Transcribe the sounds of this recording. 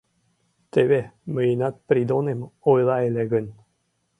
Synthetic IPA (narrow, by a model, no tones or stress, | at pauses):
t̪eveməinat̪̚pɾid̪onemojlaeleɡənʲ